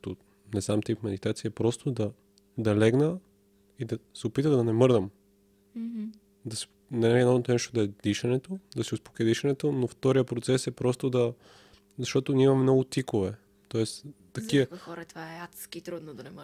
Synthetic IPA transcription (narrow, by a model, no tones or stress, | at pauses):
t̪o | nɛznamt̪ipmɛd̪it̪at̪sijɐɛpɾɔst̪od̪ɐ | d̪ɐlɛɡnə | id̪ɐsɛopit̪əd̪d̪ɐnɛmɤɾd̪ɐm | d̪ɐsɛ̥ | nɛɛnɔot̪nɛʃt̪od̪ɐɛd̪iʃɐnɛt̪od̪ɐsiuspo̥kɛd̪iʃɐnɛt̪onoft̪ɔɾijəpɾot̪sɛsɛpɾɔst̪od̪ɐ | zɐʃt̪ɔt̪onʲiimɐmɛmnɔɡʊt̪ikovɛ | t̪ɔɛst̪ːɐkiəxɔɾɐt̪vaɛat̪skiːt̪ɾud̪nod̪ɐnɛm